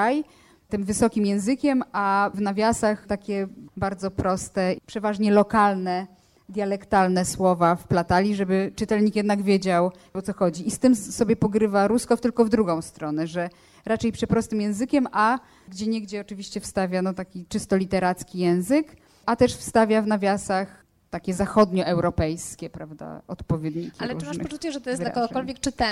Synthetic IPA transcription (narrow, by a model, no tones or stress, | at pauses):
aj | t̪ɘmvɘsɔkʲimjɛ̃w̃zɘkʲɛmavnavʲjasaxt̪akʲɛbaɾd̪zɔpɾɔst̪ɛpʂɛvaʐɲɛlɔkalnɛ | d̪ʲjalɛkt̪alnɛswɔvafplat̪alʲiʐɛbɘt͡ʂɨt̪ɛlɲikjɛd̪naɡvʲjed͡ʑaw | ɔt̪sɔxɔd͡ʑiist̪ɘmsɔbʲjɛpɔɡɾɘvaɾuskɔft̪ɘlkɔvd̪ɾuɡɔ̃w̃st̪ɾɔnɛʐɛ | ɾat͡ʂɛjpʂɛt̪̚pɾɔst̪ɘmjɛ̃w̃zɘkʲɛmʔa | ɡd͡ʑɛɲɛɡd͡ʑɛɔt͡ʂɘvʲiɕt͡ɕɛfst̪avʲjanɔt̪akʲit͡ʂɘst̪ɔlʲit̪ɛɾat̪skʲijɛ̃w̃zɘk | at̪ɛʂfst̪avʲjavnavʲjasax | t̪akʲɛzaxɔd̪ɲɔʔɛwɾɔpɛjskʲɛpɾavd̪a̰ɔ̰t̪pɔvʲjɛd̪ɲikʲialɛɾuɨmaʂpɔt͡ʂut͡ɕɛʐɛt̪ɔjɛsd̪l̰kɔɡɔɔlvʲjɛk̚t͡ʂɨt̪ɛ